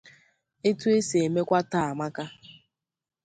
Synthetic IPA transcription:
e˦tu˦e˦se˨e˨me˦kʷa˦ta˦˨a˨ma˦ka˦

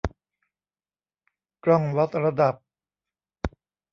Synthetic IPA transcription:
kɾɔ˥˩ŋwa˦˥t̪̚ɾa˧da˨˩p̚

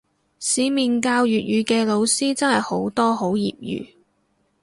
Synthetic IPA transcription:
siː˨˧˥miː˨nkaː˧wjyː˨t̚jyː˨˧kɛː˧lo˨˧wsiː˥t͡sɐ˥nhɐ˨jho˨˥wt̪ɔː˥ɦo˨˥wjḭː˨p̚jy̰ː˨˥

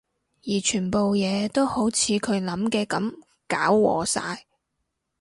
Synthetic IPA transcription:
jiː˨˩t͡ʃʰyː˨˩npo˨wjɛː˨˧t̪o˥who˨˥wt͡sʰiː˨˧kʰɵ˨˧ɥlɐ˨˥mkɛː˧kɐ˨˥m | kaː˨˥wːɔ̰ː˨˧sa̰ː˧j

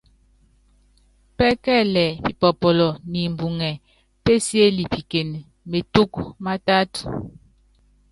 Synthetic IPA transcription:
pɛ˦kɛ˦˨lɛ˨pi˨pɔ˨pɔ˨lɔ˨ni˨m˨bu˨ŋɛ˨ | pe˦sje˦li˨pi˨ke˨n˨ | me˨tu˦kma˦ta˦t

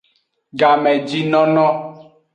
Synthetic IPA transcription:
ɡa˨mɛ˨d͡ʒi˦nɔ̃˦nɔ̃˦

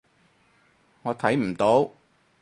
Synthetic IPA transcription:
ŋɔː˨˧t̪ʰɐ˨˥jm̩˨˩t̪o˨˥w

